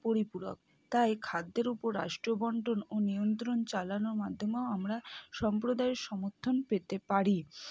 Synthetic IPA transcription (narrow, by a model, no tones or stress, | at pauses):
poɾipuɾo̰k̚ | t̪ajkʰad̪ːeɾupoɾːa̰ʃʈɾobɔɳɖononijont̪̬ɾont͡ɕalanoɾmad̪ʱːomeoamɾaʃɔmpɾod̪aeɾʃɔmoɾt̪ʰːonpet̪epaɾi